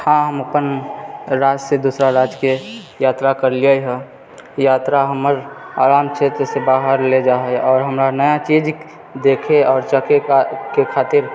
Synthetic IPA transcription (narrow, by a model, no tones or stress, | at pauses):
hãɦəməpənɾaːd͡ʒsed̪uːsɾaɾaːd͡ʒke | jaːt̪ɾakəɾliəjɦɛ | jaːt̪ɾaɦəməɾaːɾaːmt͡ʃʰet̪ɾəsebaːɦəɾled͡ʒaːɦeɔːɾɦəmɾanəjat͡ʃid͡ʒ | d̪eːkʰeɔːɾt͡ʃəkʰekekʰaːt̪ɪɾ